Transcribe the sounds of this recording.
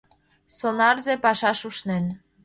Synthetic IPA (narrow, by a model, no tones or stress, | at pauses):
sonɑrzepɑʃɑʃuʃnen